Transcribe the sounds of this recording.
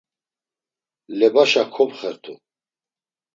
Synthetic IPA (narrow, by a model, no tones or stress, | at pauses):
lɛbaʃakʰɔbχɛɾt̪ʰu